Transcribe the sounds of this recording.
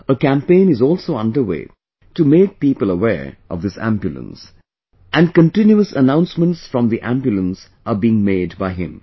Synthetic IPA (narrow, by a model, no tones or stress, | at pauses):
əkæ̃mpẽɪ̃nɨzɔlˠsoːʌ̃ndə˞wḛː | tumeːk̚piːpəlˠəwɛ̰ɹʔɔ̰vðɪsæ̰̃mbjulˠə̰̃ns | ʔæ̃nkə̃ntɪ̃njuəsə̰nãʊ̃nsmə̃nʈsfɹʌ̃mðiʔæ̃mbjulə̃ns | ʔəbiɪ̃ŋmeːdbaɪɦɪ̰̃m